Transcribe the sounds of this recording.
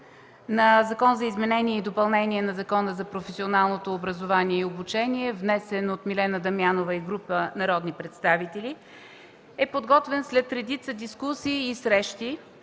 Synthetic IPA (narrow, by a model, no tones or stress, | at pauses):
nɐzɐkɔnzɐizmɛnɛniɛid̪opɐlˠnɛniɛnɐzɐkɔnəzɐpɾofɛsionalˠnot̪oːbɾəzovaniɛiobut͡ʃɛniɛvnɛsɛnot̪milɛnəd̪ɐmjanovəiɡɾupənɐɾɔd̪nipɾɛt̪st̪avit̪ɛlʲi | ɛpod̪ɡɔt̪vɛnslɛt̪ɾɛd̪it̪səd̪iskusiːsɾɛʃt̪i